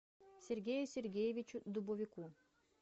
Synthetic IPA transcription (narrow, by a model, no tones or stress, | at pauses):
sʲeɾʲɡʲejusʲeɾɡʲejevʲit͡ɕud̪ubovʲiku